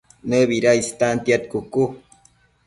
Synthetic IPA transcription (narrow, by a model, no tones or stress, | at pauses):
nəβiɾaist̪ant̪jat̪̚kuku